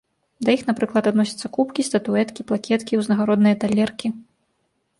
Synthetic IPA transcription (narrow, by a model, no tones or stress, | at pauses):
d̪ɐjixnapɾɨklˠɐt̪ad̪nɔsʲɐ̥t̪sːɐkupkʲist̪ɐt̪uɛt̪kʲiplˠakʲɛt̪kʲiwznɐɣaɾɔd̪nɨjɐt̪alʲɛrkʲi